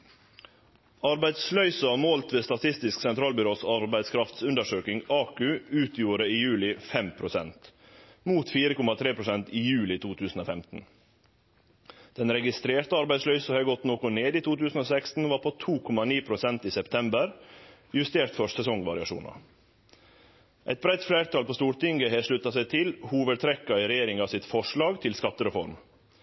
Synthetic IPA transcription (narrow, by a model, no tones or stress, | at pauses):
ɑɾbæɪd̪slœʏsɑmoːlt̪ʋeːst̪ɑt̪ʰɪst̪ɪsksɛnt̪ʰɾɑːlbʏɾoːsɑɾbæɪd̪skʰɾɑft̪sʉnd̪əʂøːkɪŋɑːkʉʉːt̪ʰjuːɾəiːjʉːlɪfɛmpʰɾʊsɛnt̪ | muːt̪fiːɾəkʰɔmɑt̪ʰɾeːpʰɾʊsɛnt̪iːjʉːlɪt̪ʰuːt̪ʰʉːsn̩oːfɛmt̪n̩ | d̪̥ɛnɾɛɡɪst̪ɾeːɾt̪əɑɾbæɪd̪slœʏsəhɛːɡɔt̪noːkʊneːd̪iːt̪uːt̪ʉːsn̩oːsɛkst̪n̩ʋɑːɾpʰoːt̪ʰuːkʰɔmɑniːpʰɾʊsɛnt̪iːsɛpt̪ʰɛmbəɾjʉst̪eːɾt̪fɔsɛsɔŋʋɑɾɪɑʂṵːnɑ̰ | ʔæɪt̪̚bɾæɪt̪fleːɾt̪ʰɑːlpoːst̪uːɾt̪ɪŋɡəɦɛːʂɭʉt̪ɑsæɪt̪ʰɪlhuːʋət̪ʰɾɛkːɑɪɾɛjeːɾɪŋɑːʋsɪt̪fɔʂɭɑːɡt̪ʰɪlskɑt̪ːəɾɛfɔɾm